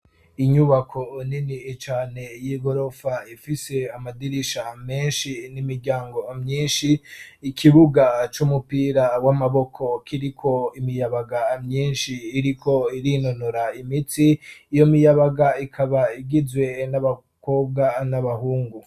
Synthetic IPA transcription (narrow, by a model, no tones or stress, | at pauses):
iɲuβakʰo̞ninit͡ʃaːne̞jiɡo̞ɾo̞faifise̞amadiɾiʃame̞ːnʃinimiɾɟaːŋɡo̞mɲiːnʃiːkʰiβuɡat͡ʃumupiːɾawamaβo̞kʰo̞kʰiɾikʰo̞imijaβaɡamɲiːnʃiːɾikʰo̞iɾinonoɾaimitiːjo̞mijaβaɡaikʰaβaiɡizwe̞naβa | ko̞ːb̚ɡanaβahuːŋɡu